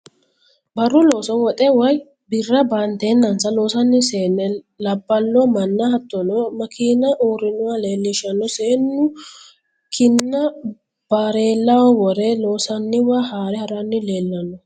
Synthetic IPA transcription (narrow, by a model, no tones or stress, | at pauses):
bɐrːʊloːsɔnwɔt̪ʼɛwɐj | bɪrːɐbant̪eːnːɐnsɐlo̞ːsɐnːɪseːnːɛ | lɐbːɐlːɔmɐnːɐhɐt̪ːɔnɔmɐkʰiːnɐʔuːɾɪnʊwale̞ːlːɪʃɐnːɔseːnːʊ | kʰɪnːɐ | b̥aːɾe̞ːlːɐwɐwɔɾeloːsɐnːɪwɐhaːɾɛhɐɾɐnːɪle̞ːlːɐnːɔ